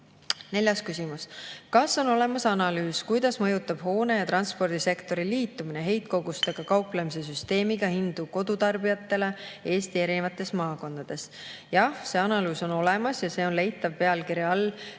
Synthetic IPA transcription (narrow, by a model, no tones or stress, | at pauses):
ne̞lʲjɑskysʲimuskɑsːo̞no̞le̞mɑsɑnɑlyːskujd̪̥ɑsmɤ̞jut̪ːˑɑb̥ho̞ːne̞jɑt̪ɾɑnspo̞rd̪̥ise̞kt̪o̞ɾiliːt̪ːˑumineɦe̞jt̪̚ko̞ɡust̪e̞ɡ̥ɑkɑwplemis̬e̞s̬yst̪e̞ːmiɡ̥ɑhind̪̥uko̞d̪̥ut̪ɑrbijɑt̪ːˑe̞le̞e̞ːst̪ie̞ɾinevɑt̪ːˑe̞smɑːko̞nd̪̥ɑd̪̥e̞s | jɑhse̞ɑnɑlyːso̞no̞le̞mɑsjɑse̞ːo̞nle̞jt̪ːˑɑvpe̞ɑlkiɾjɑɑlː